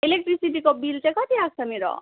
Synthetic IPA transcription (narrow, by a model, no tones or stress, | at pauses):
elek̚ʈɾisiʈikɔbiltekɔt̪iak̚sʰamiɾɔ̰